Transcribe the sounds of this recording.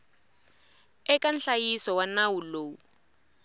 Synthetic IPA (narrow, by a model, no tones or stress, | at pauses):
ɛkanɬajisɔwanawuloːwu